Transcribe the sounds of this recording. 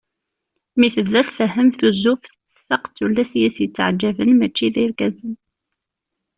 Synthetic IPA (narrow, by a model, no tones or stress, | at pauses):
miθəðːæθfəɦːəmθuzufθ | θfəqt͡sːulːæsjæsjət͡sːʕd͡ʒːævənmæt͡ʃːiðiɾkæzən